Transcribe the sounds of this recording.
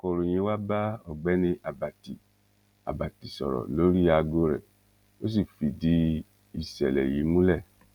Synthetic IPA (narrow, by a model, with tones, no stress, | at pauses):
ko˨ɾo˨j̃ĩ˧˦wa˦ba˦ɔ˨ɡ͡bɛ˨˦nĩ˧ʔa˨ba˨ti˨ | a̰˨ba˨ti˨sɔ̰˨ɾɔ̰˨lo˨˦ɾi˦a˧ɡo˧ɾɛ̰˨ | o˦s̬i˦˨fi˨di˦ | i˦˨sɛ˨lɛ˨ji˨˦mũ˦lɛ˦˨